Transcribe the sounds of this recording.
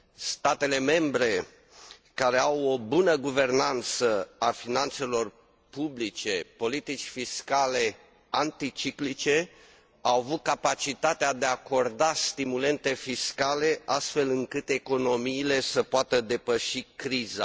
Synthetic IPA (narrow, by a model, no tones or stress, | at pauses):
st̪at̪e̞le̞me̞mbɾe̞ | kaɾe̞awo̞bunəɡuve̞rnant̪səafinant̪se̞lo̞r | publit͡ʃe̞po̞lit̪it͡ʃʲfiskale̞ | ant̪it͡ʃiklit͡ʃe̞ | awavut̪̚kapat͡ʃit̪at̪ead̪eako̞rd̪ast̪imule̞nt̪e̞fiskale̞ʔast̪fe̞lɨŋkɨt̪e̞ko̞no̞miːle̞səpoat̪əd̪e̞pəʃikɾiza̰